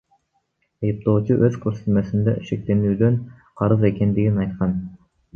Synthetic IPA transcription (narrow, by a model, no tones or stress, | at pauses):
ejiplˠoːt͡ʃʰiʔøz̥kʲʰøɾset̪mɛsɪnd̪ɛ̰ʔʃɪk̚ʲt̪enyd̪yn | qʰɑɾɨzekʲʰɛnd̪ɪɡʲinɑjt̪qʰɑn